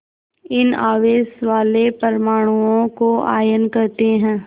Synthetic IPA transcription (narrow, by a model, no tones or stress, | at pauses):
ɪnaːʋeːsʋaːlepɐɾmaːɽ̃uõkoa̰ːjənkɐɾt̪eɦɛ̃ː